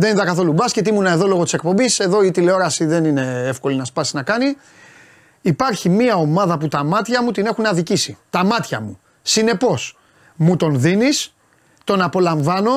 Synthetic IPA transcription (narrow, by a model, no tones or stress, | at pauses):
ðeninðɐkɐθo̞lubɐscet̪̬imunɐeðo̞lo̞ɣo̞t̪i̥sek̚po̞mbise̞ðo̞it̪ileo̞ɾɐsiðe̞nine̞efko̞linɐspɐsinɐkɐni | ipɐɾçimiɐo̞mɐðɐput̪ɐmɐt̪çɐmut̪ine̞xunɐðicisit̪ɐmɐt̪çɐmu | sine̞po̞s | mut̪o̞nðinis | t̪o̞nɐpo̞lɐɱvɐno̞